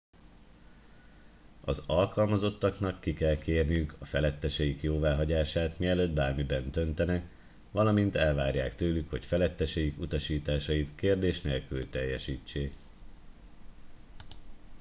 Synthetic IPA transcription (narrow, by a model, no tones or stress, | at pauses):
ɒ̰zɒlkɒlmɒzo̞t̪ːɒknɒkːikɛlkʰeːrnijykʰɒfɛlɛt̪ːɛʃɛjikjoːvaːɦɒɟaːʃaːt̪miɛløːd̪baːrmibɛnt̪ø̞nt̪ɛnɛk | ʋɒlɒmint̪ɛlvaːrjaːkt̪øːlykho̞cfɛlɛt̪ːɛʃɛjikut̪ɒʃiːt̪aːʃɒjit̪keːrd̪eːʃneːlkylt̪ɛjːɛʃiːt͡ʃːeːk